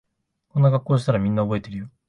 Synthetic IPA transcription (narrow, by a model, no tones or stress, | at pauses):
ko̞nːaɡakːoːɕ̬i̥t̪aɾamʲĩnːao̞bo̞e̞t̪e̞ɾɯjo